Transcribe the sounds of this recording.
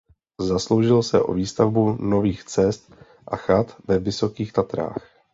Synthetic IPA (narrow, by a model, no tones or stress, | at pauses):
zaslo̞wʒɪlsɛʔo̞̰viːst̪avbuno̞viːxt͡sɛst̪ | ʔaxat̪vɛvɪso̞kiːxt̪at̪ɾa̰ːx